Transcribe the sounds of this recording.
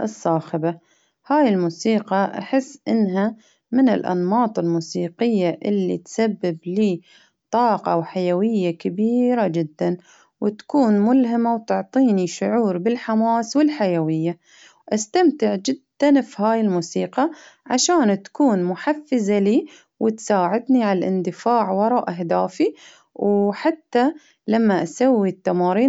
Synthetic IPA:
ʔɨsˤːɑːxɪba | haːjɪlmuːsiːqɑʔa̰ħɪsːʔɪnːɦa | mɪnɪ̰lʔɑ̰nmɑːt̪ˤɪlmuːsiːqɪjːaʔɪlːḭt̪sabːɪbliː | t̪ˤɑːqɑwħajawɪjːakabiːɾad͡ʒɪd̪ːan | wɪt̪ḁkuːnmʊlɦɪmawt̪ʊʕt̪ˤiːniʃʊʕuːɾbɪlħamaːswɪlħajawɪjːa | ʔast̪amt̪ɪʕd͡ʒɪd̪ːanfihaːjɪlmuːsiːqɑʕaʃaːnt̪ḁkuːnmʊħafːɪzaliː | wʔɪt̪saːʕɪd̪niʕallʔɪ̰nd̪ɪfaːʕwɑɾˤɑːʔaɦd̪aːfi | wħat̪ːa | lamːaʔasawːit̪ːamɑːɾiː

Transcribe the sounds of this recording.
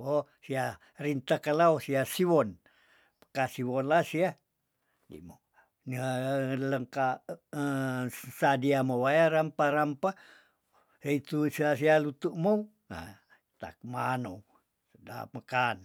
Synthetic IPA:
osia | rint̪akalaosiasiwon | pə̥kasiwonlasia | dḭmo | niləŋka | sadiamowajaɾampaɾampa | eit̪usasialut̪uʔmo | a̰ | t̪a̰kmanow | səda̰məkan

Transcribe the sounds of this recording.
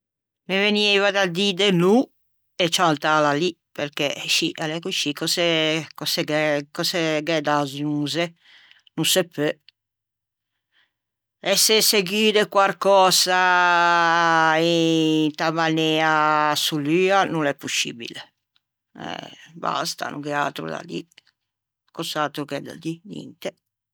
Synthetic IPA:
meveniːvad̪ad̪id̪enu | et͡ʃant̪alali | peɾkeʃiʔalɛkuʃikʰɔsɛkɔsɛɡɛkɔsɛɡɛd̪azuːze | nusepːe | ɛseseɡiːdekwaɾkɔːsa | int̪amanɛːasulyːanulɛpːusḭːbḭle | ɛ̰ba̰st̪a̰nṵkɛa̰lt̪ɾṵd̪a̰d̪ḭ | kɔsat̪ɾukɛd̪a̰d̪inɛ̰nt̪ɛ

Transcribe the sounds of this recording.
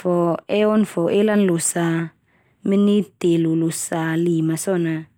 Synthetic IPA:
fɔeɔnfɔʔelanlusa | minit̪elulusalimasɔna

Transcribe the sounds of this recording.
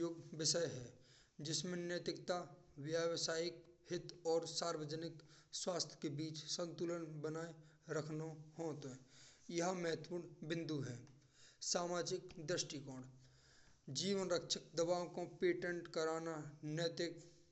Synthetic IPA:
oːɡbɪʃəjɦɛː | d͡ʒɪsmẽnjət̪ɾɪk̚t̪a | ʋjaːwsaːjɪkhɪt̪ɔːɾsaːɾwəd͡ʒənɪk | swaːst̪ʰjə̥kebiːt͡ʃsə̃nt̪uːlənbənaːe | ɾəkʰnohoːt̪ɛjɐɦamɛɦt̪pʊɽbɪ̃nd̪ʱuɦɛː | saːmaːd͡ʒɪkd̪ɾɪʃʈikɔːɽ | d͡ʒiːʋənɾəkʃək̚d̪əbaːõkopeːʈə̃ɳʈkəɾaːnanət̪ɪk

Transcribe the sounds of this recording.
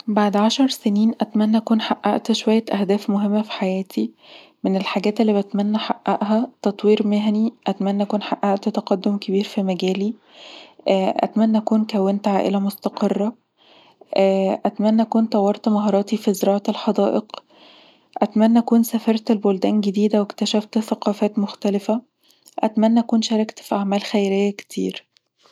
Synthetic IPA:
baʕd̪ʕaʃɑɾˤseniːnʔæt̪mænːæʔækuːnħaʔːaʔt̪ʃowæjːæʔæhd̪æːfmoɦemːæfi̥ħajæːt̪ʰi | menelħaɡæːt̪elːiːbæt̪mænːæħaʔːæʔɦæt̪ɑt̪ˤwiːɾmeɦæniʔæt̪mænːæʔækuːnħaʔːaʔt̪t̪ɑqɑd̪ːomkebiːɾfimæɡæːli | ʔæ̰t̪mænːæʔækuːnkæwːent̪ʕaːʔḛlæmost̪ɑqerˤːɑ | ʔːʔæt̪mænːʔækuːnt̪ˤɑwːɑɾˤt̪mɑɦɑːɾˤɑːt̪ifizeɾɑːʕt̪elħɑd̪ɑ̰ːʔeq | ʔæt̪mænːʔækuːnsæfɑɾˤt̪elbold̪æːnɡed̪iːd̪æwekt̪æʃæft̪θæqɑːfæːt̪moxt̪ælefæ | ʔæt̪mænːæʔækuːnʃɑɾˤɑkt̪fiʔaʕmæːlxæjɾejːæke̥t̪ʰḭːɾ

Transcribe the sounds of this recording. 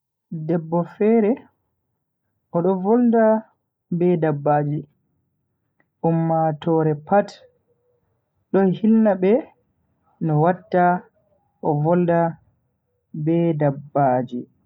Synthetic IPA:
dɛbːɔfɛːɾɛ | ʔɔɗɔvɔlda | bɛdabːaːd͡ʒi | ʔumːatɔːɾɛpat | ɗɔhilnabɛ | nɔwatːa | ʔɔvɔlda | bɛdabːaːd͡ʒi

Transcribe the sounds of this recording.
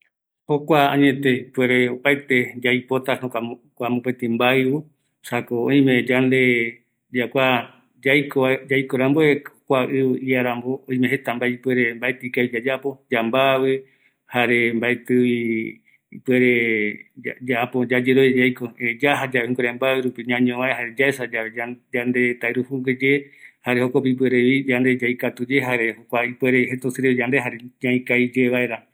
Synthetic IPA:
hokʷaãɲẽt̪eipweɾeopaet̪ed͡ʒajpot̪anoakʷamopet̪ĩmbaeβu | sakoõ̰j̃mẽd͡ʒand̪e | d͡ʒakʷa | d͡ʒajkʰod͡ʒajkoɾamboekʷaʔɨβiaɾamboõj̃mẽhet̪ambaipwe̞ɾembaet̪ikaid͡ʒad͡ʒapo̞d͡ʒambaβɨ | haɾembaet̪ɨi | ipeɾe | ad͡ʒaapod͡ʒad͡ʒeɾod͡ʒajkoed͡ʒaɦad͡ʒaĩkoɾembaweɾupiɲãɲõβaeɦaɾed͡ʒaesad͡ʒaead͡ʒand̪e̞t̪aeɾuhuŋɡed͡ʒehaɾehokop̬ip̬weɾeβid͡ʒand̪e̞d͡ʒajkat̪ud͡ʒeɦaɾehokʷaipweɾeɦet̪usɨɾeid͡ʒand̪eɦaɾeɲãĩkajd͡ʒeβaeɾa

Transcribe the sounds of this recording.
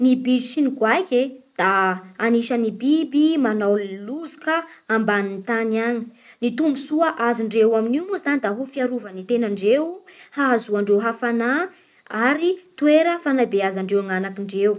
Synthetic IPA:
nibid͡ʒisinikwajkʲed̪̥aaniʃənibibimanawluzikəambanint̪aniaɲi̥ | nit̪umbusuəʔaziɳɖ͡ʐewaminiumuzzanid̪aɦufiaɾuvənit̪enaɳɖ͡ʐewhaazuaɳɖ͡ʐewɦafana | aɾit̪ueɾəfanabeazaɳɖ͡ʐewŋanakiɳɖ͡ʐew

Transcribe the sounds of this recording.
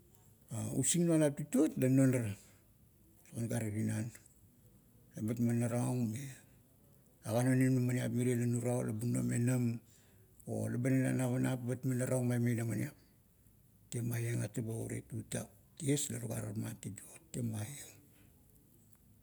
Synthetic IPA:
aṵsiŋnualap̚tituotlanonaɾ | sokanɡaɾiɾinan | labatmanːaɾaoŋme | aɡanoninmamaniapmiɾelanuɾawla̰buno̰me̞nam | o̰labanela̰naβanapbatmanːaɾawŋmajmejnamaniap̚ | temajeŋa̰tebauɾḛtuta | tieslaluɡaɾamatituotːemajeŋ

